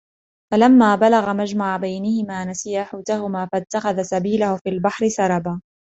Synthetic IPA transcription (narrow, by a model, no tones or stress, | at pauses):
falamːaːbalaɣamad͡ʒmaʕabajnɪhɪmaːnasɪjaːħaːt̪ahʊmaːfat̪ːaxaðasabiːlʊhʊfiːlbaħɾɪsɑɾˤɑbaː